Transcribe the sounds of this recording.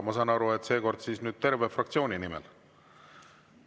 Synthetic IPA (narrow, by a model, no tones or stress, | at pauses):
mɑsɑːnɑɾuet̪ːˑse̞ːko̞rd̪̥siːsnyːd̪̥̚t̪e̞rvefrɑk̚tsio̞ːnʲinimɛ̰l